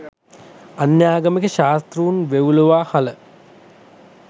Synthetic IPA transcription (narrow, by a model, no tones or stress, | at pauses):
anjaːɡɐməkəʃaːst̪ruunʋeʋuluʋaːhalə